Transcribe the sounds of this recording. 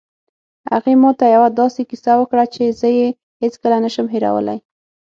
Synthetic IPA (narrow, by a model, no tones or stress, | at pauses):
ha̰ɣemɑt̪ajawad̪ɑsekisawəkɽat͡ʃezəje | het͡skəlanəʃəmɦeɾa̰wə̰la̰j